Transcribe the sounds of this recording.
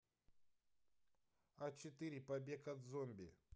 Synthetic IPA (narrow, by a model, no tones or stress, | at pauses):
at͡ʃet̪ɨɾʲipɐbʲekat̪zomʲbʲɪ